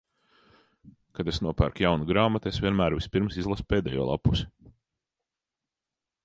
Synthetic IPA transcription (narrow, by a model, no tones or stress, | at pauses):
kad̪esnuɔpæɾkjawnuɡɾaːmat̪esvʲiɛnmæːɾvʲispʲiɾmsizlˠaspeːd̪ɛ̰jo̰ːlˠa̰pːusi̥